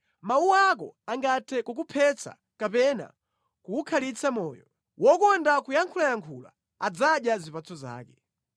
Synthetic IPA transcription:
mauwak̬ɔ̰aŋɡatʰɛkɔk̬upʰɛt͡sa̰ | kapɛna̰ | kuːkʰalit͡samɔːjɔ | wɔkɔndakujaŋkʰulajaŋkʰula̰ | ad͡zaɗjazipat͡sɔza̰ːkɛ

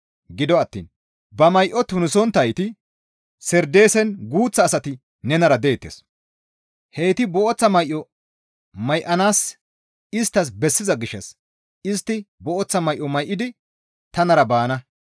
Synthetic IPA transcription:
ɡɪd̪ɔɐt̪ːḭːn | bɐmɐjʔɔt̪ʊnɪsɔnt̪ɐjt̪ɪ | sɛɾd̪e̞ːsɛnɡuːt͡sːɐːsɐt̪ɪ | nɛnɐɾɐd̪eːt̪ːḛːs | hejt̪ɪbɔʔɔt͡sːɐmɐjʔɔ | mɐjʔɐnaːs | ɪst̪ːɐs̬bɛsːɪzɐɡɪʃːɐs | ɪst̪ːɪbɔʔɔt͡sːɐmɐjʔːɔmɐjʔɪd̪ɪ | t̪ɐnɐɾɐbaːnɐ

